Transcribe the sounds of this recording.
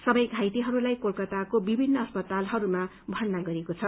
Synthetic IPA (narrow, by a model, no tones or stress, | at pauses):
sʌbʌjɡʱajt̪iɦʌɾulajkolkʌt̪akobibʱinːʌːspʌt̪alɦʌɾuma | bʱʌrnaɡʌɾekot͡sʰʌ